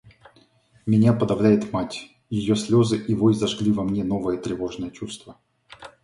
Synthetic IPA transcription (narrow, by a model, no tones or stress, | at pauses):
mʲɪnʲapəd̪ɐvlʲæjɪt̪matʲ | jɪjosʲlʲo̞zɨʔivojzɐʐɡlʲivɐmnʲe̞no̞vəjət̪ɾʲɪvo̞ʐnəjət͡ɕust̪və